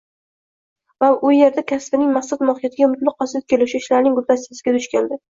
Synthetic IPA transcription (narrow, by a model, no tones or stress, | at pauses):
vaʊje̞ɾd̪akʲʰaspɪnɪŋmaχsad̪mɒhɪjat̪ʰɪɡʲaʊmɪt̪lɪq̚qːɒsɪt̪̚kʲʰelɪʃɪɪʃlaɾnɪŋɡʊlt̪asɪjɪsɪɡʲad̪ʊʃkʲand̪ɪ